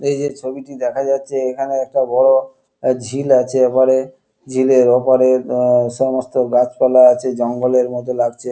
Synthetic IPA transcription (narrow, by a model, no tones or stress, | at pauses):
ejd͡ʑet͡ɕʰobiʈid̪ɛkʰad͡ʑatːɕʰeekʰaneɛk̚ʈabɔɽo | d͡ʑʱilat͡ɕʰeapaɾe | d͡ʑʱileɾopaɾeɾʃɔmost̪oɡat͡ɕpɛlaat͡ɕʰed͡ʑɔŋɡoleɾmɔt̪̬olaɡt͡ɕʰe